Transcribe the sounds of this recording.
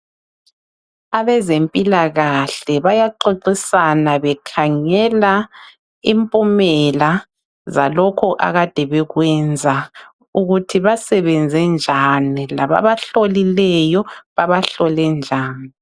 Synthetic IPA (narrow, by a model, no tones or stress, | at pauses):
aβɛzempʼilaɣaɬɛβajaǃiǀisanaβɛkʰaŋɛla | impʼumɛla | zalɔkʰɔʔa̰ɣad̥ʱɛβɛɣwɛnd͡zʱa | uɣutʰiβasɛβɛnd͡zʱɛnd͡ʒʱanilaβa̰βaɬolilɛjɔβaβaɬɔlɛnd͡ʒʱaːni